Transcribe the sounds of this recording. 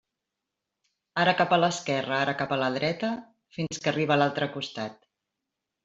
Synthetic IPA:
aɾəkapələskɛrəaɾəkapələðɾɛt̪ə | finskəriβəlalˠt̪ɾəkust̪at̪

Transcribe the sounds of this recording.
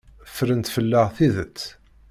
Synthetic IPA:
fɾənt̪fəlːəʁθiðət͡sː

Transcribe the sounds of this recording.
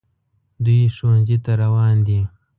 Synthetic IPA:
d̪ujeʂonzit̪aɾawɑːnd̪i

